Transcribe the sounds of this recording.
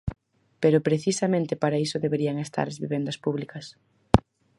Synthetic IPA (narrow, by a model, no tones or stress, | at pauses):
peɾʊpɾeθisɐmẽnt̪ɪpaɾaisʊðeβeɾiɐŋest̪a̰ɾɐzβiβend̪ɐspuβlikɐs